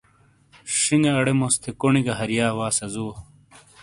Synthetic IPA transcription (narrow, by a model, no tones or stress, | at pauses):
ɕiŋɡeɐɽemost̪ʰekoniɡɐɦɐɾjaːwaːsɐzuːɐ